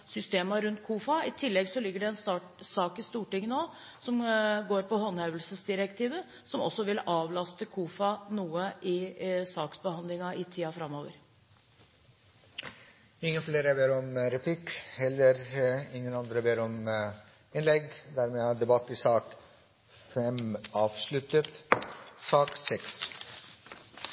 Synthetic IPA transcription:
sʏst̪eːmɑɾʉnt̪̚kʰuːfɑɪt̪ʰɪlːɛɡsɔlɪɡːəɖɛɛnst̪ɑʈsɑːkɪst̪uːʈɪŋːənoː | sɔmɡoːɾpɔhɔnhœʋəlsəsd̪ɪɾɛkt̪ʰiːʋə | sɔmɔ̰sːɔʋɪlɑːʋlɑst̪əkʰuːfɑnuːəʔɪsɑːksbəhɑnd̪lɪŋɑʔɪt̪ʰiːɑfɾɑmːoːʋə̰ɾ | ɪŋːənfleːɾəbeːɾɔmɾɛpʰlɪkhɛlːəɾɪŋːənɑnd̪ɾəbeːɾɔm | ɪnlɛɡd̪æːɾmeːæɖ̪ɛbɑt̪ːɪsɑːk | fɛmɑːʋʂlʉt̪ət̪sɑːksɛks

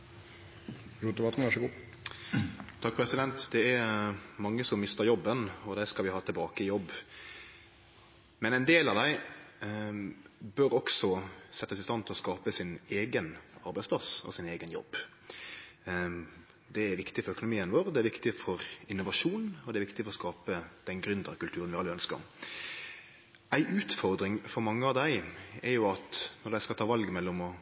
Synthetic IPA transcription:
ɾut̪əʋɑt̪n̩ʋæʂəɡu | t̪ʰɑk̚ːpʰɾɛsɪd̪ɛnt̪d̪ɛæɾmɑŋːəsɔmːɪst̪əɾjɔbːənɔd̪æskɑlʋɪhɑːt̪ʰɪlbɑːkəɪjɔbː | mɛnæɪnd̪eːlɑʋd̪æɪ | bøɾɔksɔsɛt̪ːəsɪst̪ɑnt̪ʰlɔskɑːpəsɪneːɡənɑɾbæɪspʰlɑsɔ̰sɪneːɡənjɔ̰bː | d̪ɛæɾʋɪkt̪ɪfɔɾœkʊnʊmiːənʋoːɾd̪ɛæɾʋɪkt̪ɪfɔɾɪnːʊʋɑʂuːnɔd̪ɛɾʋɪkt̪ɪfɔɾʁɔskɑːpəd̪̥ɛnɡɾʉnd̪əɾkʉlt̪ʰʉːɾənʋɪɑlːəœnskə̰ɾ | æɪʔʉːt̪fɔɾd̪ɾɪŋfɔɾmɑŋːəɑʋd̪æɪɛɾjʊɑt̪nɔɾd̪æɪskɑt̪ʰɑːʋɑlɡmɛlːɔmɔ

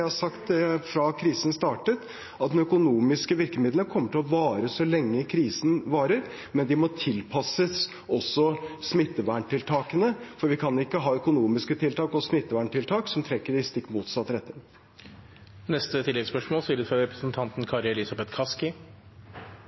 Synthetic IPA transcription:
hɑsɑkt̪fɾɑkʰɾiːsən̩st̪ɑːʈət̪ | ɑt̪̚d̪ɛnœkʊnuːmɪskəʋɪɾkəmɪːd̪lənkʰɔmːəʈɪlɔʋɑːɾəsɔlɛŋːəɪkʰɾiːsn̩ʋɑːɾəɾ | mɛnd̪ɪmɔt̪ʰɪlpʰɑsəs | ɔsːɔsmɪt̪ːəʋæːɳʈɪlt̪ʰɑːkənəfɔɾʋɪkʰɑnɪkːəɦɑːœkʊnuːmɪskət̪ʰɪlt̪ʰɑːkɔsmɪt̪ːəʋæːɳʈɪlt̪ʰɑːksɔmt̪ʰɾɛkːəɖɪst̪ɪkːmuːt̪sɑt̪ːɾɛt̪ːəɾ | nɛst̪ət̪ʰɪlɛɡspœʂmoːlsiːɾfɾɑɾɛpɾəsnt̪ʰɑnt̪n̩kʰɑɾjɑɛlɪsɑbɛt̪kʰɑskɪ

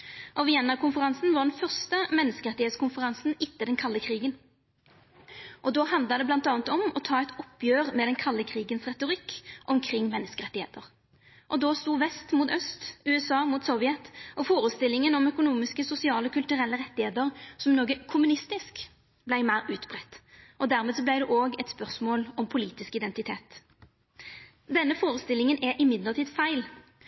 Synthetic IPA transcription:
ʔɔʋɪɛnːɑʁkʰʊnfəʁɑnsn̩ʋɑʁd̪ɛnfœʁst̪əmɛnːəskəʁɛt̪ɪeːt̪skʰʊnfəʁɑnsn̩ɪt̪ːəd̪ɛnkʰɑlːəkʰʁiːɡən | ʔɔd̪oːhɑnd̪ləd̪ɛb̪ɑnt̪ɑːnət̪ɔmɔt̪ʰɑːɛɪt̪ɔpːjøːʁmɛd̪ɛnkʰɑlːəkʰʁiːɡənsʁɛt̪ʊʁɪkːʔɔmkʰɾɪŋːmɛnːəskəʁɛt̪ːɪhḛːt̪əʁ | ʔɔd̪oːst̪uːʋɛst̪muːt̪œst̪ʉːɛsɑːmuːt̪sɔʋɪɛt̪ʔɔfoːʁəst̪ɪlːɪŋənɔmœkʊnuːmɪskəsʊsɪɑːləɔkʰʉlt̪ʉʁɛlːəʁɛt̪ːɪheːt̪əʁsɔmnoːɡəkʰʊmʉnɪst̪ɪsk | blæɪmæɪʁʉːt̪bʁɛt̪ːʔɔd̪æːʁmeːd̪sɔblæɪd̪ɛʔoːɡɛt̪spœʁsmoːlɔmpʰʊliːt̪ɪskɪd̪ɛnt̪ɪt̪ʰeːt̪ | d̪ɛnːəfoːʁəst̪ɪlɪŋənɛʔɪmɪd̪ləʁt̪ʰiːd̪fæɪl

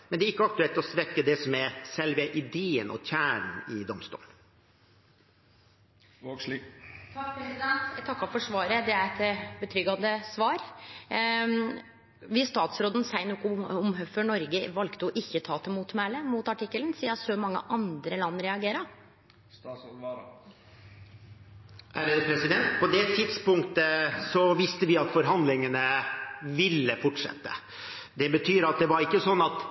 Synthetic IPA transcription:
mɛnd̪ɛːɾɪkːəɑk̚t̪ʉɛlt̪ɔsʋɛkːəd̪ɛsɔmɛɾsɛlʋɛʔɪd̪eːə̰nɔ̰t̪ʰæːɳən̩ɪd̪ɔmst̪ṵːln | t̪ʰɑːkpɾɛsɪd̪ɛnt̪t̪ʰɑkːɑfɔʂʋɑːɾəd̪ɛæɾɛt̪bət̪ʰɾʏɡɑd̪əsʋɑːɾ | ʋɪst̪ɑːt̪sɾoːd̪n̩sæɪnoːkʊʊmɦœføːɳɔɾɡəʋɑlkt̪əɔʔɪçːət̪ʰɑːt̪ʰəmuːt̪mæːləmuːt̪ɑʈɪkːələnsiːɑsomɑŋːə̰ʔɑnd̪ɾəlɑnːɾɛɑɡeːɾə | æɾəpʰɾɛsɪd̪ɛnt̪pʰɔd̪ɛt̪ʰɪd̪spʊŋkt̪əsɔʋɪst̪əʋɪɑt̪fɔɾɦɑnd̪lɪŋənəʋɪlːəfɔʈʂɛ̰t̪ːə̰ | d̪ɛbət̪ʰyːɾɑt̪̚d̪ɛʋɑɾɪkːəsɔnːɑt̪

